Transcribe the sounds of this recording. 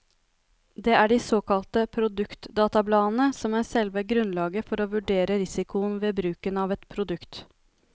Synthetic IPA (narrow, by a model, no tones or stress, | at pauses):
d̪ɛːʔæɖisoːkɑlt̪əpʰɾʊd̪ʉkt̪d̪ɑːt̪ɑblɑːn̩əsɔmæsɛlʋəɡɾʉnlɑːɡəfɔɾoːʋʉɖeːɾəɾɪsɪkʊənʋeːbɾʉːkənɑʋɛt̪pʰɾʊd̪ʉkt̪